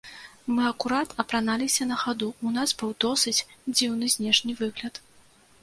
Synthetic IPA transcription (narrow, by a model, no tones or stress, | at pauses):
mɨɐkuɾat̪ɐpɾanalʲisʲɐnɐxad̪uunasbɨwd̪ɔsɨt͡sʲd͡zʲiwnɨzʲnʲɛʂnʲivɨɣlʲɐt̪